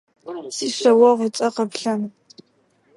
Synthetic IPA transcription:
siːɕʷɐwɐʁʷʊt͡sʼɐqɐpɬɐm

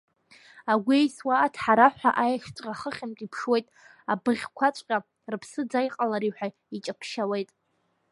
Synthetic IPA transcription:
aɡʷejswaːtʰħaɾaħʷᶣa̰ʔajaʃt͡sʼqʲʼaχəχʲɪmtʼipʰʂwe̞jtʼ | abɨʁʲkʷʰat͡ʃʷʼqʲʼa | rɨpʰsɨd͡zajqʼalaɾiħʷᶣa | it͡ʃʼapʰʃawe̞jtʼ

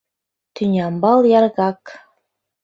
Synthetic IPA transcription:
t̪ynʲɑmbɑlˠjɑɾɣɑk

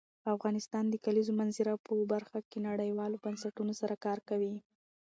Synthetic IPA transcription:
afɣɑnɪst̪ɑnd̪əkalizomanzɪɾapəbaɾxakenaɽəjwɑlobansaʈunosaɾakɑɾkawi

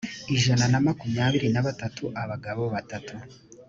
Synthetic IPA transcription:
iʒananamakumɲaːβiɾinaβatatʰuʔaβaɡaβo̞βatatʰu

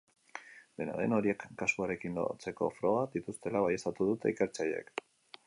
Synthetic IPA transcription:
b̪e̞na̰ðe̞no̞ɾie̞kːasuaɾe̞kind̪o̰t͡se̞ko̞̰fɾo̞ɣaðit̪ust̪e̞laβaje̞st̪at̪uðut̪eike̞ɾt͡saʎeḛk

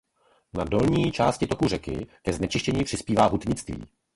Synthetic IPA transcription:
nado̞lɲiːt͡ʃaːscɪt̪o̞kur̝ɛkɪ̰kɛznɛt͡ʃɪʃcɛɲiːpr̥ɪspiːvaːɦut̪ɲɪt͡st̪vḭː

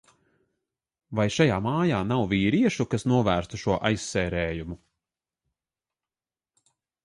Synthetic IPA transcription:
vajʃajaːmaːjaːnawviːɾiɛʃukasnuɔvæːɾst̪uʃuɔʔa̰jsːɛːɾɛːjumu

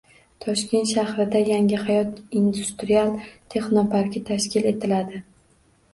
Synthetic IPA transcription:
t̪ʰɒʃkʲe̞nt̪ʃahɾɪd̪ajaŋɪhajɒt̪ind̪ust̪ɾialˠt̪ʰe̞χnopʰaɾkʲɪt̪ʰaʃkʲɪle̞t̪ʰɪlad̪ɪ

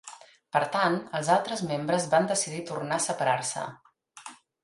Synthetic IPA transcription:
pəɾt̪anəlˠzalˠt̪ɾəzmembɾəzβand̪əsiðit̪urnaəsəpəɾarsə̰

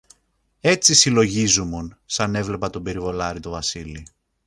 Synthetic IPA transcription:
e̞t͡sisilo̞ʝizumunsɐne̞vle̞pɐt̪o̞be̞ɾivo̞lɐɾit̪o̞vɐsili

